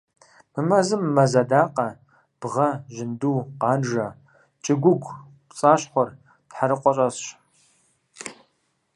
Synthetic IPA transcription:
mɨmɐzɨmːɐzɐdaːqʼɐ | b̥ʁɐʒɪnduːqɑːnʒɐ | t͡ʃʼɪɡʷʊɡʷʰ | pt͡sʼaːɕχʷɔr | d̥ħaɾɨqʷʼɔɕʼɐsɕ

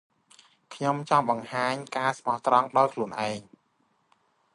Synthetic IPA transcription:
kʰɲomt͡ɕɑŋɓɑŋhaːɲkaːsmɑht̪rɑŋɗaɔjkʰluənʔaɛŋ

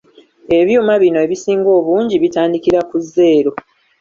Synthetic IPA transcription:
e̞βjuːmaβino̞e̞βisiːŋɡo̞ːβuːɲɟiβitaːndikiɾakuzːe̞ːɾo̞

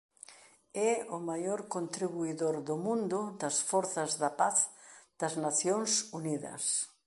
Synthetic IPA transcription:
ɛʊmajoɾkont̪ɾiβuiðoɾðʊmũnd̪ʊd̪ɐsfɔɾθɐzðɐpaθd̪̥ɐznaθjoŋsuniðɐ̰s

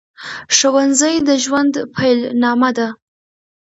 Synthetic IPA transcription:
ʂəwanzəjd̪əʒwand̪pʰajlnɑmad̪a

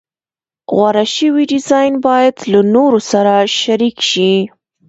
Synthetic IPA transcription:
ɣwaɾaʃəwiɖɪzɑjnbɑjad̪lanoɾosaɾaʃaɾikʃi

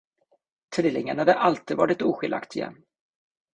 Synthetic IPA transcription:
t̪ʰɾɪlɪŋːanɳhad̪əʔalt̪iːd̪vɑːɾɪt̪uːɧɪlʔa̰kt̪ʰɪjɛ̰nː

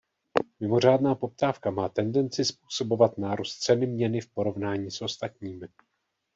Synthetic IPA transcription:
mɪmo̞r̝aːdnaːpo̞p̚t̪aːfkamaːt̪ɛndɛnt͡sɪspuːso̞bo̞vat̪naːɾost͡sɛnɪmɲɛnɪfpo̞ɾo̞vnaːɲiːsʔo̞st̪at̪ɲiːmɪ

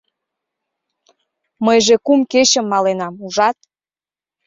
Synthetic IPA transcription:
məjʒekumket͡ɕəmːɑlenɑmuʒɑt̪̚

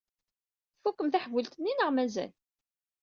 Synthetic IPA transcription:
θfukːəmθaħvəlt̪nːinəʁmæzæ̰l

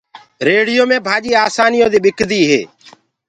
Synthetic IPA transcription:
ɾeːɽɪjoːmẽːbʱaːʄiːaːsaːnɪjõːd̪iːɓɪkd̪iːɦḛː

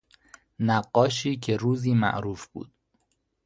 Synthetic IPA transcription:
næɢːɒːʃiːcʰeɾuːziːmæ̰ʔɾuːfb̥ṵːd̪̥̚

